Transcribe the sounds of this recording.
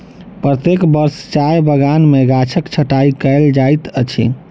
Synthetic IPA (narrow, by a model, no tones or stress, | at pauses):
pɾət̪ekbəɾst͡ʃajbəɡanmeɡat͡ʃʰəkt͡ʃʰəʈaikəeld͡ʒajt̪ət͡ʃʰḭ